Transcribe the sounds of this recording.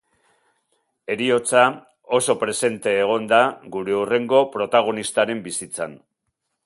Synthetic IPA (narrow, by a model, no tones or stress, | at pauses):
e̞ɾio̞t͡sa | o̞so̞pɾe̞se̞nt̪e̞ːɣ̞o̞nd̪aɣuɾe̞ure̞ŋɡo̞pɾo̞t̪aɣ̞o̞nist̪aɾe̞mbisit͡san